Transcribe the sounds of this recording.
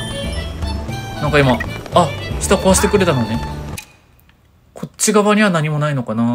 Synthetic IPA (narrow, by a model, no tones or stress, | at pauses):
nãŋkaimaː | ɕi̥t̪akoaɕi̥t̪e̞kɯ̟ɾe̞t̪ano̞ne̞ | kʰo̞t͡ɕːiɡaβaɲ̟iβanaɲ̟imo̞naino̞kana